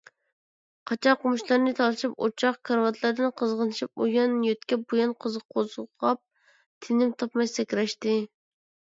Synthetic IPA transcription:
qʰɑt͡ʃʰɑqʊmuʃlˠɑɾnɨt̪ʰɑlˠɨʃipo̰t͡ʃʰɑqkʰɑɾwɑt̪ʰlˠɑɾd̪ɨnqʰəzʁənɨʃip̚ujɑnjøt̪̚kʲɛp̚bujɑnqʰəzqʰozʁɑp̚ | t̪ʰɪnɪmt̪ʰɑpmɑjsɛkʲɾɛʃt̪ɪ

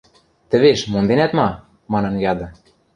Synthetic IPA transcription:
t̪ɘ̆βeʃmond̪enæt̪mɑ | mɑnɤ̆njɑd̪ɤ̆

